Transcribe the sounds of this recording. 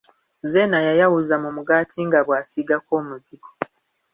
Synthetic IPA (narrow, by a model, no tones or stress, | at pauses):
ze̞najajawuzamumuɡaːtʰiŋɡaβwaːsiɡako̞ːmuziɡo̥